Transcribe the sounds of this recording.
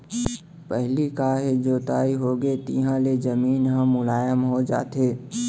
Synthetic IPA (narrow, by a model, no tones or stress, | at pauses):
pəɦlikaːɦed͡ʒoːt̪aːiɦoːɡet̪ḭɦãled͡ʒəmiːnɦãmʊlaːjəmɦod͡ʒa̰ːt̪eː